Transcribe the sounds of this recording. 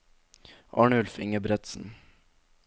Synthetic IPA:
ʔɑ̰ːɳəʉlfɪ̰ŋəbɾɛt̪sn̩

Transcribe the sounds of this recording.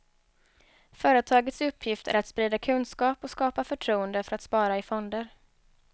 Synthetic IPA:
fœːɾət̪ʰɑːɡət̪sɵpʰːjɪft̪ʰæ̰ɾat̪spɾiːd̪akʰɵnskɑːpɔskɑːpafœʈʰɾuːənd̪əfœɾat̪spɑːɾaɪfɔnd̪əɾ

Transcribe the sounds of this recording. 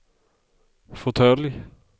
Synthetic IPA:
fɔt̪ʰœːlɪ

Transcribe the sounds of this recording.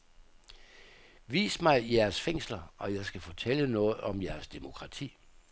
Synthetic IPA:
ʋḭːsmɑ̈ɪjæɐsfeŋ̰slɐʔɒ̽jɑ̈ɪsɡ̥æfɒ̽t͡sʰelənɔ̽ːð̩ˠɒ̽mjæɐsd̥emo̝kʰʁɑ̈t͡sʰḭː

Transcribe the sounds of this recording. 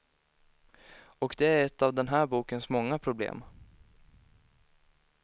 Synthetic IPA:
ɔkd̪ɛæɾɛt̪ːavd̪ɛnɦæːɾbuːkənsmɔŋːapʰɾʊblḛːm

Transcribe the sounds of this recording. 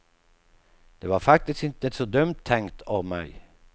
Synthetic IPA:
d̪̥ɛʋɑɾfak̚t̪ɪsk̪ɪnt̪əsɔd̪œmt̪ʰːɛŋkt̪ʰɑʋmæ̰ɪ

